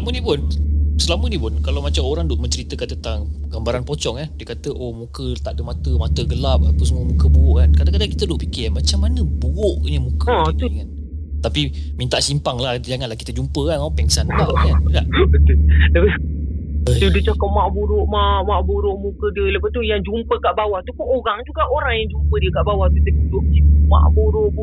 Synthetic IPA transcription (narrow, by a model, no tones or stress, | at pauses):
səlamənipʊnsəlamənipʊnkalawmat͡ʃamoɾaŋdoʔməɲt͡ʃəɾit̪əkant̪ənt̪aŋɡ̥ambaɾanpɔt͡ʃɔŋanbikat̪əʔomukət̪aʔdəmat̪əmat̪əɡəlap̚hapus̬muəmukəbuʊʔkankadakadaŋkit̪ədoʔpikɪmat͡ʃamːanəbuoʔɲəmukət̪uŋan | t̪apimint̪aʔsimpaŋlad͡ʒaŋanlahki̥t̪əd͡ʒumpəkanopɛŋsankaʔkakaʔbət̪ʊlləpa | ədudət͡ʃakap̚maʔbuɾʊʔmamaʔbuɾʊʔmukədələpat̪ujaŋd͡ʒumpəkaʔbawaht̪upunoɾaŋd͡ʒuɡaʔoɾaŋjaŋd͡ʒumpədiəkaʔbawaht̪ut̪ədidoʔd͡ʒima̰ʔbuɾʊʔb